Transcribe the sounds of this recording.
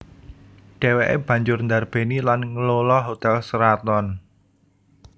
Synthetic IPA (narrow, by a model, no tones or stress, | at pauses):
ɖ̥e̤weʔḛb̥ä̤ɲd͡ʒʊrnd̪arb̥e̤nilanŋəlolɔɦot̪ɛlsəɾat̪ɔn